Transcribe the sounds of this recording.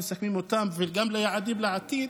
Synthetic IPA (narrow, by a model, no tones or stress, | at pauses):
sakmimʊt̪amvɪlɡamlajaʕad̪iːblaʕat̪iː